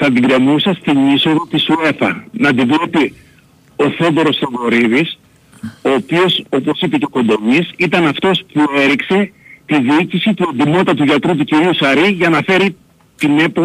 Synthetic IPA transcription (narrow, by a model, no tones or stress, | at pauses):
θɐd̪iɡɾemusɐst̪iniso̞ðo̞t̪isue̞fɐ̰nɐd̪ivle̞pi | o̞θo̞ðo̞ɾo̞st̪oɣo̞ɾiðis | o̞ːpio̞so̞po̞sipe̞ce̞ko̞nd̪o̞misit̪ɐnɐft̪o̞spue̞ɾikse̞t̪iðiicisit̪uend̪imo̞t̪ɐt̪̬uʝɐt̪ɾut̪̬uciɾiusɐɾiʝɐnɐfe̞ɾi | t̪ine̞po